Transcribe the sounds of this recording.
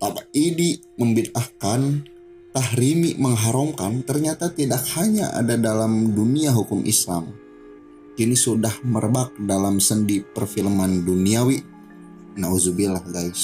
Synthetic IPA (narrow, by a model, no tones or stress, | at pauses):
t̪abaʔidiʔ | məmbit̪̚ahkan | t̪ahɾimiʔməŋɦaɾɔmkant̪ərɲat̪at̪idak̚haɲaʔa̰dadalamduniaɦukʊmʔḭslam | kinisudahmərbak̚dalamsəndipərfilmanduniawiʔ | nauzubilahɡajs